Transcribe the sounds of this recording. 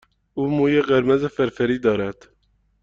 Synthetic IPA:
uːmuːjeɢeɾmezefeɾfeɾiːd̪ɒːɾæd̪̥

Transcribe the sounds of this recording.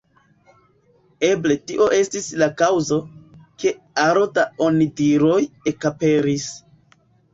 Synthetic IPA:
e̞ble̞tiʔo̞ʔe̞stislakawzo̞ke̞ | aɾotaonidiɾo̞je̞kape̞ɾis

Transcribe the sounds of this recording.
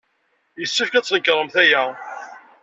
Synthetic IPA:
jəsːəfkæt͡sːˤnəkːɾˤəmθæjæ

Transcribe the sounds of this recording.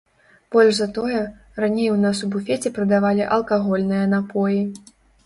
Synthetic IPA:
b̥ɔlʲʐzɐt̪ɔjɐ | ranʲejwnasubufʲɛt͡sʲɛpɾɐd̪avalʲiʔɐlˠkaɣɔlʲnɨjɐnapʰɔji

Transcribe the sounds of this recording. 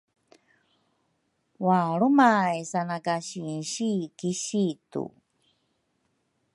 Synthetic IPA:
waɾumajsanakaɕinɕikiɕitṵ

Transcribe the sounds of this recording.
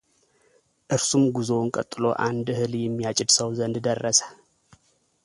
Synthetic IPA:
ʔɨɾsumɡuzo̞ŋkʼə̰t̪ʼːɨlo̞̰ʔand̪hɨljɛmːijat͡ʃʼɪd̪səwzənd̪d̪ərːəsə̥

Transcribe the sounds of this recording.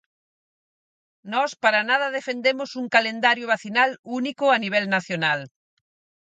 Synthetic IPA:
nɔspaɾanað̞ɐðefend̪emʊsuŋkalend̪aɾjʊβaθinalunikʊaniβ̞ɛlnaθjonal

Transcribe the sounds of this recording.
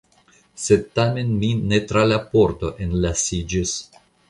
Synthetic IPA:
sed̪̚t̪ame̞nminet̪ɾalapo̞ɾt̪o̞ʔenlasid͡ʒis

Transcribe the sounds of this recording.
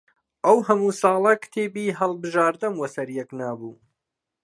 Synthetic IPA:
ʔɐwhɐmuːsɑːlˠɐkt̪ʰeːbiːɦɐlˠbɨʒaːɾd̪ɨnwɐsɐɾjɛknaːbuː

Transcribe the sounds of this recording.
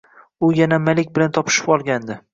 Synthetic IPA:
ʊjanamalɪkʲbɪlant̪ʰɒpʰɪ̥ʃɪ̥pɒlˠɡʲand̪ɪ

